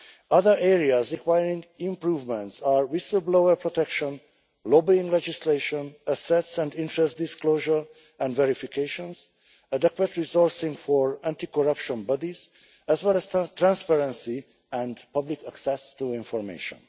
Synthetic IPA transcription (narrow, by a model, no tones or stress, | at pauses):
ʌðəɹɛɹiazɹikwajɹĩŋɡĩmpɹuːvmɛ̃ntsaːɹwisəlbloəɹpɹɔt̪ɛkʃɔ̃n | lobiĩŋɡlɛd͡ʒisleʃɔ̃nəsɛtsɛ̃ndĩntɹɛstd̪iskloːʒəɹ | ɛ̃ndvɛɾifikʰeʃɔ̃nz | əd̪ɛkwət̪ɹizɔɹsĩŋɡfɔɹæ̃ntikɔɾʌpʃɔ̃nbʌdiz̥ | ɛzwɛlɛz̥tt̪ɹæ̃nspɛɹɛ̃nsi | ɛ̃ndpʌblikəksɛst̪uĩnfɔɹmḛːʃɔ̰̃n